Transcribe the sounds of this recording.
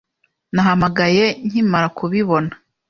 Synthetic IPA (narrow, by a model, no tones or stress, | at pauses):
naɦhamaɡaje̞n̥imaɾakuβiβo̞nḁ